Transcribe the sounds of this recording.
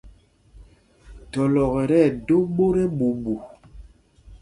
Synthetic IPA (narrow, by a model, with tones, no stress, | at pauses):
tɔ˨lɔ˨ɣɛ˨ɾɛ˦˨do˦ɓo˦ɾe˦ɓu˨bu˨